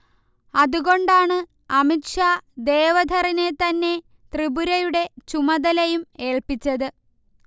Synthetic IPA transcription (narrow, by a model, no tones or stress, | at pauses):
ɐðuɣo̞ɳɖaːɳɨ | ɐmitʂaːd̪e̞ːʋɐd̪ʱɐrine̞t̪ɐnːe̞ | t̪ribuɾɐjuɽe̞t͡ɕumɐðɐlɐjume̞ːɭpit͡ɕːɐðɨ